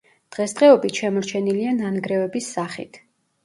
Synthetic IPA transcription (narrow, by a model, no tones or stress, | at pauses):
d̪̥ʁɛsd̪ʁɛɔbit̪ʃɛmɔɾt͡ʃʰɛniliananɡɾɛvɛbisːaχḭt̪ʰ